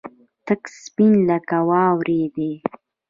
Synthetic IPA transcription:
t̪əkspinləkawɑːwɾʔed̪e

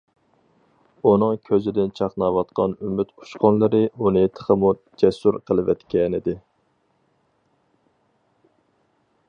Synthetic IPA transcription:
unɨŋkʲʰøzɪd̪ɪnt͡ʃʰɑqnɑwɑt̪qʰɑnymyt̪u̥ʃqɔnlˠɨɾɨunɨt̪ʰə̥χʰəmu | d͡ʒɛsuɾqʰəlˠɨvɛ̰t̪kʲɛnɪd̪ɪ

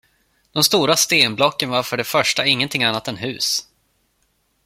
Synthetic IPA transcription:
d̪̥ɔmst̪uːɾast̪eːnblɔkːənvaɾfœɖɛfœʂʈaɪŋːənt̪ʰɪŋːanːat̪ɛnɦʉ̟̰ːs

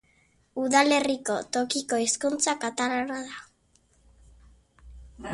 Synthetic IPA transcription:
uðale̞riko̞t̪o̞kiko̞iskunt͡sakat̪aɾaɾaða

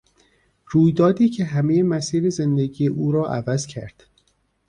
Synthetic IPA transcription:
ɾuːjd̪ɒːd̪iːcʰe̞ɦæmejemæsiːɾeze̞nd̪eɡiːjeʔuːɾɒːʔævæzcʰæ̰ɾd̪̥

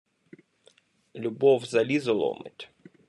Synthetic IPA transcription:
lʲʊbɔwzɐlʲizɔlˠɔ̰mɪ̰tʲ

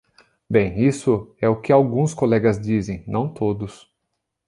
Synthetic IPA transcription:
bẽj̃isʊɛʊkɪawɡũskolɛɡɐzd͡ʒizẽj̃nʔɐ̃w̃t̪od̪ʊs

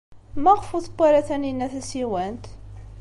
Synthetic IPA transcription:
mæʁfuθəbːaɾæθæninːæθæsiwænt̪

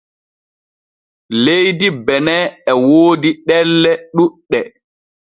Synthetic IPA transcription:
lejdibɛnɛɛwoːdiɗɛlːɛɗuɗːɛ

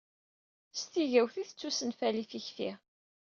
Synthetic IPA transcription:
st̪iʝæwθiθət͡sːusənfælifiçfḭʁ

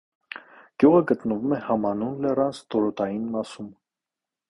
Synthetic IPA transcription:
ɡ̥juʁəɡət̪nəvumɛhɑmɑnunlɛrɑnt͡st̪ɔɾɔt̪ʰɑjinmɑsum

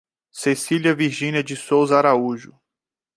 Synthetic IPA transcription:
sesiliɐviɾʒĩniɐd͡ʒɪsowzaɾauʒʊ

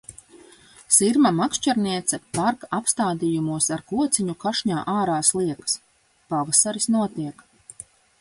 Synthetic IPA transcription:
siɾmamaksʃt͡ʃaɾniɛt̪sɛpaɾkapst̪aːd̪ijumuɔsaɾkuɔt̪siɲukaʃɲaːʔaːɾaːslˠiɛks | pavasaɾisnuɔt̪iɛk

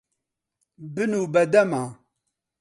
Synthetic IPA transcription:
bɨnubɐdama

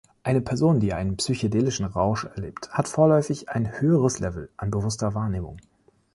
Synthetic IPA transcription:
ʔaɪnəpʰɛɐzoːndiːʔaɪnənpsyçodeːlɪʃn̩ʁaʊʃɛɐlḛːpthatfoːɐlɔʏfɪçaɪnhøːəʁ̞əslɛvl̩ʔanbəvʊstɐvaːɐneːmʊ̰ŋ

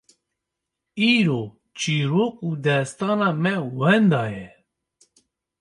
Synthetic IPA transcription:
iːɾo | t͡ʃʰiːɾoːkuːd̪ɛst̪ɑːnɑːmɛwɛnd̪ɑːjɛ

